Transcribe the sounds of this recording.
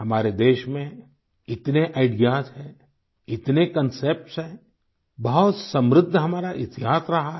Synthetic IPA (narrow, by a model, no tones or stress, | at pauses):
ɦɐmaːɾed̪eːʃmẽ | ɪt̪neʔaɪɖijaːsɦɛ̃ː | ɪt̪nekɐnseːp̚ʈsɦɛ̃ | bɐɦʊt̪sɐ̃mɾɪd̪ʱːɦɐmaːɾaʔɪt̪ɪɦaːsɾɐɦa